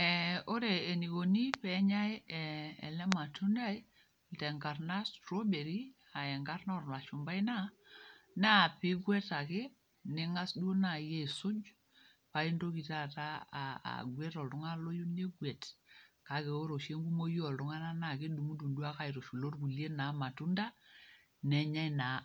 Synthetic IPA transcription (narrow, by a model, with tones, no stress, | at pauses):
ɛo˦ɾeː˨ni˨ko˨ni˦pɛ˦ɲa˦jɛ̰ː˨lɛ˦ma˨tʰu˦na˦j | tɛ˨ŋɡa˨rna˦stɾo˦be˨ɾi˦ | a˨ɛ˨ŋɡa˦rnɔ˦˨rna˨ʃu˨mba˦i˦na˦ | na˦a˨pɪ˦ɡwɛ˦ta˨kɪ˦ | nɪ˦ŋa˦sdu˦o˦na˨je˦˨sʊ˦d͡ʒ | pa˦i˦ndo˦ki˨ta˦ta˦˨a̰˨ɡwɛ˦tɔ˨ltʊ˦ŋa˦lo˦ju˦ne˦ɡwɛ˨tka˨ke˨o˦ɾo˨ʃe˦ŋɡu˦mo˦jɔ˨ltʊ˦ŋa˦na˦na˨kɪ˦ɗu˨mu˦du˨ndu˦a˦ka˦˨i˨ɾo˨ʃu˨lo˦rku˨lje˦na˨˦ma˨tu˦nda˦ | nɛ˨ɲa˦jna˨